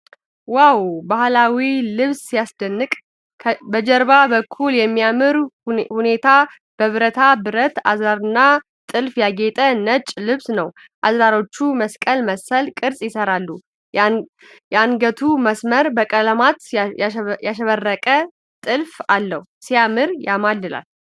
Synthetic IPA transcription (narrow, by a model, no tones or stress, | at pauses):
wawbahlawilɨβsijasd̪ənːɨkʼʰ | bəd͡ʒɛɾbabəkʰːuljɛmːijamɨɾhune̞t̪ʰa | b̥əβɾət̪ʰabɨɾət̪azaɾɨnːa | t̪ʼɨlfjaɡet̪ʼənət͡ʃʼlɨβsnəw | ʔazɾaɾo̞t͡ʃːuməskʼəlməsəlkʼɨɾsʼjɪsəɾalːu | jɛanɡət̪ʰuməsməɾbəkʼələmat̪ | jaʃəβərːəkʼə | t̪ʼɨlfalːəhusijamɨɾjamad̪ɨla̰l